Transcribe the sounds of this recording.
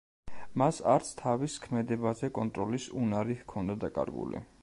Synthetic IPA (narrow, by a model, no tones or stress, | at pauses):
masa̰ɾt̪sʰt̪ʰaviskʰmɛd̪ɛbazɛkʼɔnt̪ʼɾɔlisunaɾihkʰɔnd̪ad̪akʼa̰ɾɡṵlḭ